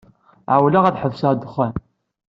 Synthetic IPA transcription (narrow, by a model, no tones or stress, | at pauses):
ʕawlæʁæθħəvsad̪əχæn